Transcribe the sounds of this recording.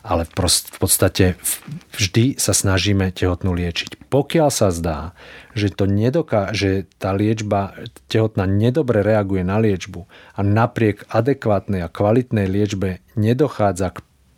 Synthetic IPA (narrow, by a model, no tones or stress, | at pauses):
alɛfpɔfpɔt̪st̪acɛvʒd̪isasnaʒiːmɛcɛɦɔt̪nulɪɛt͡ʃi̥cpɔkɪalsazd̪aːʒɛt̪ɔɲɛd̪ɔkaʒɛt̪aːlɪɛd͡ʒbacɛɦɔt̪naːɲɛd̪ɔbɾɛɾɛaɡujɛnalɪɛd͡ʒbuanapɾɪɛɡad̪ɛkʋaːt̪nɛjakʋalit̪nɛjlɪɛd͡ʒbɛɲɛd̪ɔxaːd͡zak